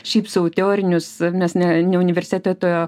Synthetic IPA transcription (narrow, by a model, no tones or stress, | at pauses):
ʃʲɛɪpsʊoʊt̪ʲɛoːɾʲɪnʲʊsmʲɛsnʲɛnʲɛʊnʲɪʋʲɛrʲsʲet̪ʲæt̪oːjoː